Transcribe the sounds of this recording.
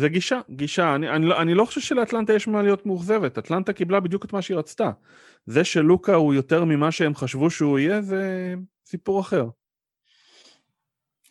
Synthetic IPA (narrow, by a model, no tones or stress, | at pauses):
zeɡiʃaɡiʃaːnianiloʔanilo̞χo̥ʃevʃeleat̪lant̪ajeʃmalijo̞t̪meuχze̞vet̪at̪lant̪akiblabid̪juket̪maʃeiʁat͡st̪a | ze̞ʃe̞lukaujo̞t̪e̞ʁmimaʃeemχaʃvuʃeuije̞ze | sipuʁaχe̞ʁ